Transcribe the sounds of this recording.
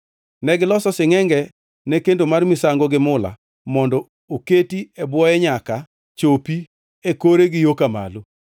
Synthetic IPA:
nɛɡɪlɔsɔsɪŋɛŋɡɛ | nekendomarmɪsaŋɡoɡɪmʊla̰ | mɔndɔ | oketiɛbwɔɛɲaka | t͡ʃopi | ekoɾeɡɪjokama̰lo

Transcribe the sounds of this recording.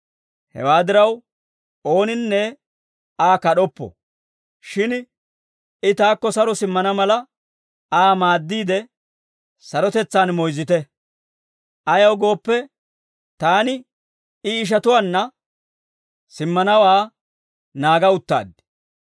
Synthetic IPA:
hɛ̰waːd̪ɪɾɐw | o̞ːnɪnːɛ | aːkɐɗɔpːɔ̰ | ʃɪn | ɪt̪aːkːɔsɐɾɔsɪmːɐnɐmɐlɐ | aːmaːd̪ːiːd̪ɛ | sɐɾɔt̪ɛt͡sːaːnmɔjzɪt̪ɛ | ʔɐjɐwɡo̞ːpːɛ | t̪aːnɪ | ɪːʃ̬ɐt̪ʊwaːnːɐ | sɪmːɐnɐwaː | naːɡɐʊt̪ːa̰ːd̪ːɪ̥

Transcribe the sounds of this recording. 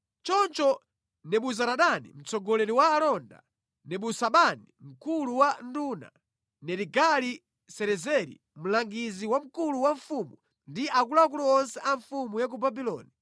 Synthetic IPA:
t͡ʃɔnt͡ʃɔ | nɛɓuzaɾaɗanḭm̩t͡sɔɡɔlɛɾiwaːlɔnda̰ | nɛɓusaɓanim̩kuluwanduːna̰ | nɛɾiɡali | sɛɾɛzɛɾḭ | m̩laŋɡiziwam̩kuluwaɱfumu | ndiʔakulak̬uluɔnsɛʔaɱfumujak̬ubabilɔ̰ːni

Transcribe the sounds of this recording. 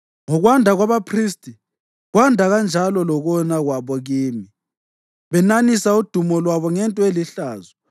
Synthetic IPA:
ŋɔɣwandʱaɣwaβapʰriːstʼi | ɣwandʱaɣand͡ʒʱalɔlɔɣɔnaɣwaβɔɣiːmi | βɛnanisaud̥ʱumɔlwaβɔŋɛntʼɔeliɬaːzɔ

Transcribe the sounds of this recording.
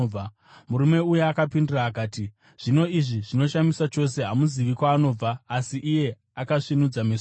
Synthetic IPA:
a | muɾume̞ujeakapindiraːkaːti | ʐ̥ino̞iʐiʐino̞ʃamisat͡ʃo̞s̬e̞ɦamuziʋikwaːno̞ːb͡vaːsiʔːje̞ | akaʂinud͡zames

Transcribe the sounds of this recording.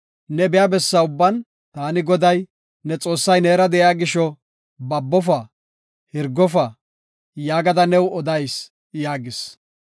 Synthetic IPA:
nɛbɛjabɛsːɐʊbːɐn | t̪aːnɪɡɔd̪ɐj | nɛt͡sʼo̞ːsːɐjneːɾɐd̪ɛʔaːɡɪʃɔ | bɐbːɔf̬ɐ | hɪɾɡɔfɐ | jaːɡɐd̪ɐnɛwɔd̪ɐjs | jaːɡɪs

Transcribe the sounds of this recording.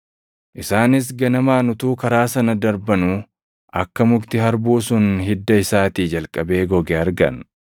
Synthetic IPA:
ʔɪsaːnɪs̬ɡɐnɐmaːnʊt̪uːkɐɾaːsɐnɐd̪ɐɾbɐnuː | ʔɐkːɐmʊɡt̪ɪɦɐɾbuːsʊnɦɪd̪ːɐɪsaːt̪iːd͡ʒɐlkʼːɐbe̞ːɡɔɡeɐɾɡɐ̰n

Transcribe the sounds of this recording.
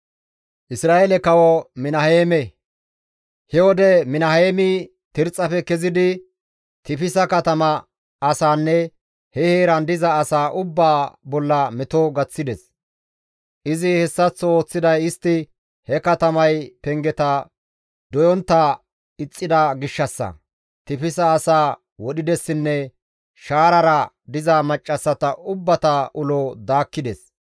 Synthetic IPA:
ʔɪsɾaːelɛkɐwɔmɪnɐheːmɛ | hɛwɔd̪ɛmɪnɐheːmɪ | t̪ɪɾt͡sʼːɐfɛkɛzɪd̪ɪ | t̪ɪpɪsɐkɐt̪ɐmɐ | ɐsaːnːɛ | hɛheːɾɐnd̪ɪzɐːsaːʔʊbːaːbɔlːɐmɛt̪ɔɡɐt͡sːɪd̪ɛs | ʔɪzɪhɛsːɐt͡sːɔo̞ːt͡sːɪd̪ɐjɪst̪ːɪ | hɛkɐt̪ɐmɐjpɛŋɡɛt̪ɐ | d̪ɔjɔnt̪ːɐ | ɪt͡sʼːɪd̪ɐɡɪʃːɐsːɐ̰ | t̪ɪpɪsɐːsaː | wɔɗɪd̪ɛsːɪnːɛ | ʃaːɾɐɾɐ | d̪ɪzɐmɐt͡ʃʼːɐsːɐt̪ɐʔʊbːɐt̪ɐʔʊlod̪aːkːɪd̪ɛs

